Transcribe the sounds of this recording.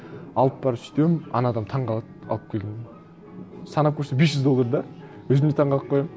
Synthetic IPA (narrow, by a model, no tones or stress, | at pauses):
ɑlˠəp̚bɑɾp̪st̪ewmɑ̰nɑd̪ɑmt̪ʰɑɴʁɑlˠɑt̪̚ɑ̰lˠəp̚kʲʰelɡ̪en | sɑnɑp̚kʲʰɵɾsebesʒʏzd̪o̞lˠːɑɾd̪ɑ | wɵzɪmd̪et̪ʰɑɴʁɑlˠəp̚qʰojɑm